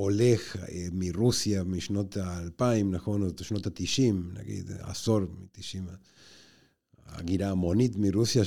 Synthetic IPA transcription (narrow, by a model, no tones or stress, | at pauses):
olexmirusjamiʃnot̪aːlpaimnaxonoʃnot̪at̪iʃimna̰ɡḭd̪a̰soɾmḭt̪iʃima | a̰ɡiɾaːmonit̪mirusja